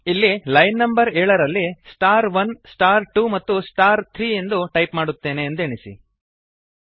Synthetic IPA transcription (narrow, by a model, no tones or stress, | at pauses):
ilːilɐjnːɐmbɐɾɛːɭɐɾɐlːisʈaːɾʋɐnsʈaːɾʈumɐt̪ːusʈaːɾt̪ʰɾiːend̪uʈɐjpmaːɽut̪ːe̞ːne̞ːnd̪ueɳisḭ